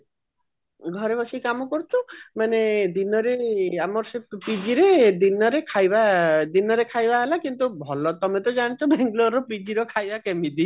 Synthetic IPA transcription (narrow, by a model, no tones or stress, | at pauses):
ɡʱɔɾebɔsikamɔkɔɾt͡ʃʰumaned̪inɔɾeamɔɾsepid͡ʒiɾed̪inɔɾekʰajbad̪inɔɾekʰajbaɦelakint̪ubʱɔlɔt̪ɔmet̪ɔd͡ʒañt͡ʃʰɔbʱeŋɡlɔɾɔpid͡ʒiɾɔkʰajbakemid̪i